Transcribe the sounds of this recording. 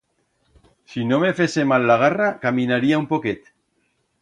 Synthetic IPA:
sinomefesemalːaɣ̞arakaminaɾiaumpoket̪

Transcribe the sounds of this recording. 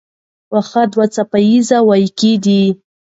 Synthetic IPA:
waxad̪wat͡sapajizawajkid̪i

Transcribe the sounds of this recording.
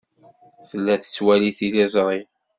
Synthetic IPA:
θəlːæθə̥swæliθilæzˤɾˤi

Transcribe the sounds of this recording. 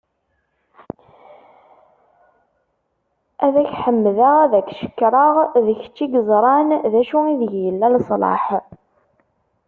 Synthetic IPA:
æðæçħəmːðəʁæðækʃə̥kːɾˤɑʁðəç̥t͡ʃːiɡəzˤɾˤɑnðæʃuiðəʝjəlːælsˤlɑ̰ħ

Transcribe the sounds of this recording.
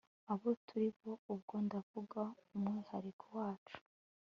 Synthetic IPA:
aβo̞tʰuɾiβo̞ub̚ɡo̞ndavuɡaumŋiːhaɾikʰowaːt͡ʃu̥

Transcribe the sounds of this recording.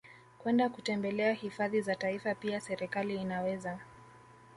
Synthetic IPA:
kwɛndakutɛmbɛlɛahifaðizataifapiasɛɾɛkaliːnawɛza

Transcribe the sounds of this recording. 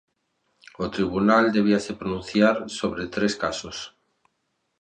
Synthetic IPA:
ot̪ɾiβ̞unald̪eβ̞iasepɾonũn̟θjaɾsoβɾet̪ɾeskasos

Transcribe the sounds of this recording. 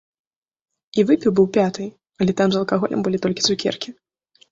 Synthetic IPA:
ivɨpʲiwbɨwpʲat̪ɨ | ɐlʲɛt̪amzɐlˠkaɣɔlʲʔɛ̰mbɨlʲit̪ɔlʲkʲi̥t̪sukʲɛ̰rkʲi

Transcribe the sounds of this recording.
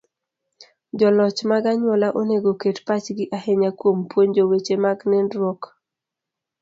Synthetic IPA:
d͡ʒɔlɔt͡ʃmaɡaɲwɔlaʔoneɡoketpat͡ʃɡɪʔaheɲakwompwoɲd͡ʒowet͡ʃemaɡnɛndɾwɔk

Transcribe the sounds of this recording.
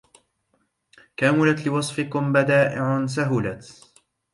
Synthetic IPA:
kaːmʊlat̪lɪwɑsˤfɪkʊmbad̪aːʔɪʕs̬aɦʊlat̪

